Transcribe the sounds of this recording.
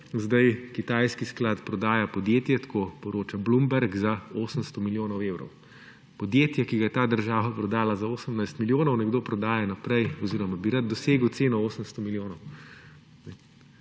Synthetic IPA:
zd̪ajkit̪ajskisklaːt̪pɾɔd̪aːjapɔd̪jeːt̪jɛt̪kʰoːpɔɾoːt͡ʃablumbɛɾɡzaoːsənst̪ɔmiljoːnɔweːwɾɔ̰w | pɔd̪jeːt̪jakiɡajɛt̪aːd̪əɾʒaːʋapɾɔd̪aːlazaoːsəmnajst̪miljoːnɔwnɛɡd̪oːpɾɔd̪aːjanapɾɛjɔziːɾɔmabiɾad̪̚d̪ɔseːɡəwt̪seːnɔoːsənst̪ɔmiljoːnɔw | nɛ

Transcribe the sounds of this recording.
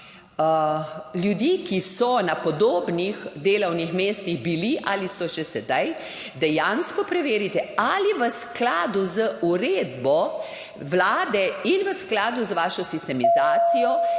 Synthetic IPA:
ljud̪ikisɔnapɔd̪oːbnixd̪eːlɐwnixmeːst̪ixbiliʔalisɔʃɛsɛd̪aj | d̪ɛjaːnskɔpɾɛʋeːɾit̪ɛaliʋəsklaːd̪uzəuɾeːd̪bɔ | ʋlaːd̪ɛinʋəsklaːd̪uzʋaːʃɔsist̪ɛmizaːt̪sijɔ

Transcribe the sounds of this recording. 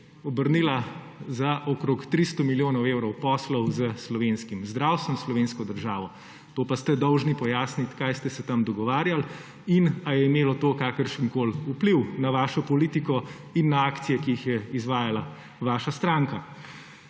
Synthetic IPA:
ɔbəɾniːla | zaʔɔkɾoːkt̪ɾist̪ɔmiljoːnɔwewɾɔwpɔslɔwzəslɔʋeːnskimzd̪ɾaːwst̪ʋɛnslɔʋeːnskɔd̪əɾʒaːʋɔ | t̪oːpast̪ɛd̪ɔwʒnipɔjaːsnit̪kajst̪ɛsɛt̪amd̪ɔɡɔʋaːɾjal | inajɛimeːlɔt̪oːkaːkəɾʃəŋkoːlupliwnaʋaːʃɔpɔliːt̪ikɔ | inːaaːkt̪sijɛkiixjɛizʋaːjala | ʋaːʃast̪ɾaːŋka

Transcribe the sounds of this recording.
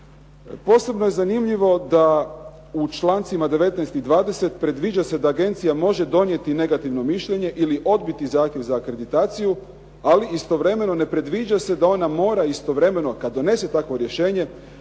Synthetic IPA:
po̞ːse̞bno̞jezanimʎiʋo̞d̪a | ut͡ʃlˠaːnt̪simad̪e̞ʋe̞t̪nɛjst̪id̪ʋaːd̪e̞se̞t̪pɾe̞d̪ʋiːd͡ʑase̞d̪aːɡe̞nt̪sijamo̞ʒe̞d̪o̞nje̞t̪ine̞ɡat̪iʋno̞miʃʎe̞ɲe̞ʔiliʔo̞d̪bit̪izaːxt̪jeʋzaːkɾe̞d̪it̪aːt̪siju | aliist̪o̞ʋɾe̞me̞no̞ne̞pɾe̞d̪ʋiːd͡ʑase̞d̪ao̞namo̞ːɾaist̪o̞ʋɾe̞me̞no̞kad̪ːo̞ne̞se̞t̪akʋo̞ɾjeʃe̞ːɲe̞

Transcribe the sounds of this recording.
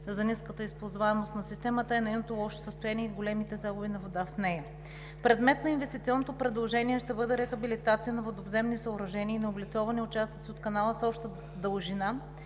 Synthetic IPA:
zɐniskət̪əispozvaɛmost̪nɐsist̪ɛmət̪əɛnɛjnot̪olˠɔʃsəst̪ojaniɛiɡolɛmit̪ɛzaɡʊbinɐvod̪afnɛjɐ | pɾɛd̪mɛt̪nɐinvɛst̪it̪siɔnːot̪opɾɛd̪lˠoʒɛniɛʃt̪ɛbɤd̪ɛɾɛxɐbilit̪at̪sijənɐvod̪ovzɛmnisɐʊɾɐʒɛniːnɛoblit̪sɔvɐniʊt͡ʃast̪ət̪siot̪kɐnalˠəsɔpʃt̪ə | d̪əlˠʒina

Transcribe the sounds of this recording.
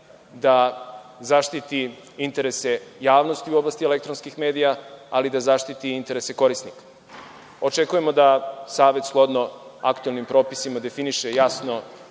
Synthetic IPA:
d̪azaʃt̪it̪i | int̪e̞ɾese̞jaːʋno̞st̪iuo̞blˠaːst̪ie̞lekt̪ɾonskixme̞ːd̪ijaalid̪azaʃt̪it̪iint̪e̞ɾese̞ko̞ɾisnikḁ | o̞t͡ʃe̞kuje̞mo̞d̪asaːʋe̞t̪sklˠo̞d̪no̞a̰kt̪uelnimpɾo̞ːpisimad̪e̞finiʃejasno̞

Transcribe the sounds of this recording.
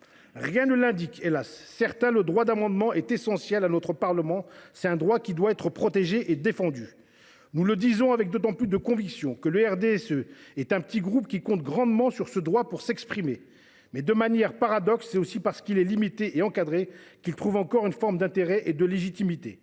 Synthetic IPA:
ʁjɛ̃nəlɛ̃d̪ikelasːɛʁt̪ɛ̃ləd̪ʁwad̪amɑ̃d̪mɑ̃ʔɛt̪esɑ̃sjɛlanɔt̪χəpaʁləmɑ̃sɛt̪ɛ̃d̪ʁwakʲid̪waɛt̪χəpχɔt̪eʒeʔed̪efɑ̃d̪y | nuləd̪izɔ̃avɛk̚d̪ot̪ɑ̃plys̬d̪əkɔ̃viksjɔ̃kələɛʁd̪eɛsøɛt̪ɛ̃pə̥t̪iɡʁupkʲikɔ̃t̪̚ɡʁɑ̃d̪mɑ̃syʁsəd̪ʁwapuʁsɛkspχime | mɛd̪əmanjɛʁpaʁad̪ɔksːɛt̪osipaʁsə̥kilɛlimit̪eʔeɑ̃kad̪ʁekʲilt̪χuvɑ̃kɔʁynfɔʁmd̪ɛ̃t̪eʁɛʔed̪əleʒit̪imit̪ḛ

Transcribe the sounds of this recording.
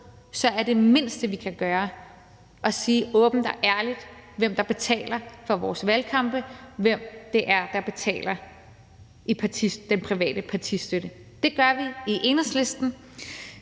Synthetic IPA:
sɒ̽æɐd̥e̝me̝n̰sd̥əʋikʰæɡ̥ɶːɐ | ʔɒ̽siːʔɔ̽ːb̥n̩d̥æʔæɐlid̥ʋem̰d̥ɑ̈b̥e̝t͡sʰɛ̰ːlɐfɒʋɒːsʋælkʰɑ̈mb̥əʋem̰d̥e̝ʔæɐd̥ɑ̈b̥e̝t͡sʰɛ̰ːlɐ | ipʰɑ̈t͡sʰid̥enpʰʁiʋɛ̰ːd̥əpʰɑ̈t͡sʰisd̥øɾ̥ə | d̥e̝ɡ̥ɶɐʋiiʔe̝nɐsle̝sd̥n̩

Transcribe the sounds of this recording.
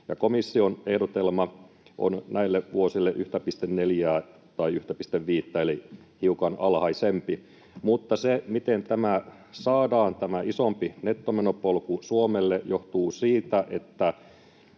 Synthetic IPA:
jɑ̰komisːionehdot̪elmɑ | ʔo̰nnʔæilːeʋuosilːeʔyht̪æpist̪enneljæː | t̪ɑiyht̪æpist̪eʋʋiːt̪ːæeli | hiukɑnɑlhɑisempi | mut̪ːɑsemit̪ent̪æmæ | sɑːdɑːnt̪æmæisompinet̪ːomenopolkusuomelːejoht̪uːsiːt̪æʔet̪ːæ

